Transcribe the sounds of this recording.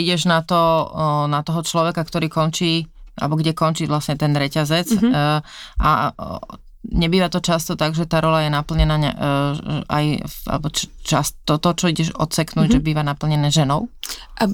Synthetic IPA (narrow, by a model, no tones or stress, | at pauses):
iɟɛʒnat̪ɔnat̪ɔɦɔt͡ʃlɔʋɛkakt̪ɔɾiːkɔnt͡ʃiːʔa̰lɛbɔɡɟɛkɔnt͡ʃiːʋlasɲɛt̪ɛnɾɛcazɛt͡s | ʔa̰ | ɲɛbiːʋat̪ɔt͡ʃast̪ɔt̪aɡʒɛt̪aːɾɔlajɛnapl̩ɲɛnaːɲa̰ | ʔa̰ja̰lɛbɔt͡ʃt͡ʃast̪ɔt̪ɔt͡ʃɔiɟɛʒɔt̪t͡sɛknuːɟʒɛbiːʋanapl̩ɲɛnɛːʒɛnɔʊ